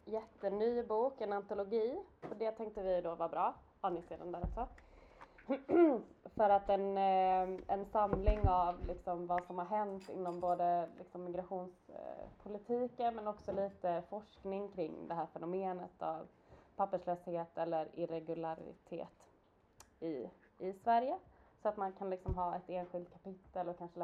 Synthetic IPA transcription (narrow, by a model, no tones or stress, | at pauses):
jɛt̪ːənyːbuːkɛnant̪ʊlʊɡiːɔɖ̪ɛːt̪ʰɛŋk̚t̪əvɪd̪oːvabɾɑː | hanɪseːd̪and̪æːɾɔksɔ | fœɾat̪ɛn | ɛnsamlɪŋavlɪksɔmvasɔmhaɾɦɛnt̪ɪ̰nːɔmboːd̪əlɪ̰ksɔmːɪɡɾaɧuːnspʰʊlɪt̪ʰiːkənmɛnɔksɔliːt̪əfɔʂknɪŋkʰɾɪŋːd̪ɛɦæːɾfɛnʊmeːnət̪ʰa̰v | pʰapːəʂløːsheːt̪ʰɛlːəɾɪɾɛɡɵlaɾɪ̰t̪ʰḛːt̪ | ɪ | ɪsvæɾjəsɔat̪mankʰanlɪksɔmɦɑːɛt̪eːnɧɪlt̪̚kʰapɪt̪ːəlɔkʰanʂə